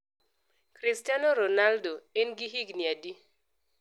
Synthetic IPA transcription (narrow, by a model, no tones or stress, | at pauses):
kɾistanoɾonaldoenɡiɦiɡniadi